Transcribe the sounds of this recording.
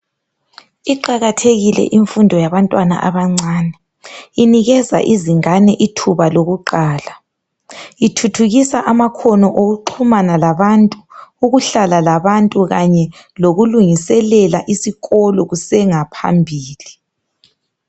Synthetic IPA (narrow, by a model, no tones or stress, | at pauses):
iǃaɣatʰeɣilɛ̰ʔiɱfundʱɔjaβantʼwana̰ʔaβaŋ͡ǀaːnɛ | iniɣɛza̰ʔiziŋanɛʔitʰuβaloɣuǃaːla | itʰutʰuɣisaʔamakʰɔnɔʔoɣuǃʰumanalaβantʼuuɣuɬalalaβantʼuɣaɲɛ | loɣuluŋisɛlɛlaʔisiɣɔlɔɣusɛŋapʰa̰mbʱiːli